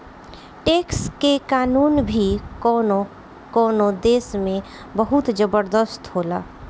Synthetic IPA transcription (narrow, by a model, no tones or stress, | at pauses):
ʈeːkskekaːnuːnbʱikɔːno | kɔːnod̪eːsmẽ | bəɦut̪d͡ʒəbəɾd̪əst̪ɦoːla̰ː